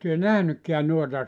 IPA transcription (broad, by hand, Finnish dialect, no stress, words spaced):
tyø næhnykːeæn nuotɑ